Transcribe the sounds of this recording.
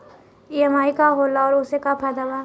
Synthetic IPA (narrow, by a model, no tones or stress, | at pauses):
iɐmaːikaɦoːlaɔːɾʊsekapʰɛːd̪aba